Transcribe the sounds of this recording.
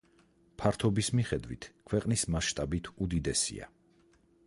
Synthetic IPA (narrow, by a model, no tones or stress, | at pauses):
pʰaɾt̪ʰɔbismiχɛd̪vwḭt̪ʰkʰwɛqʼnismasʃt̪ʼabit̪ʰud̪id̪ɛsḭa̰